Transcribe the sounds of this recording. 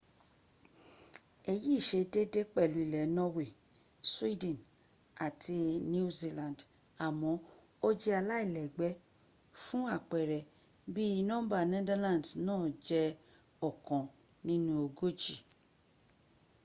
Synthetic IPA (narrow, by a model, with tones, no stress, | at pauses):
e˧ji˦˨ʃe˧de˦de˦k͡pɛ˦˨lu˨˦i˨lɛ˨nɔ˦we˦˨ | swi˦dɛ̃˨n | a˨tʰi˧nĩ˦zi˧˦lã˨nd | a˨mɔ̃˨˦ | o˦d͡ʒɛ˦a˧la˦i˦˨lɛ˨ɡ͡bɛ˨˦ | fũ˦a˦˨k͡pɛ˨ɾɛ˨ | bi˦i˧nɔ̃˦ba˦˨nɛ˦da˦lã˦˨dnãː˦˨d͡ʒɛ˧ | ɔ˦˨kɔ̃˨ | nĩ˦nũ˦o˧ɡo˦d͡ʒi˨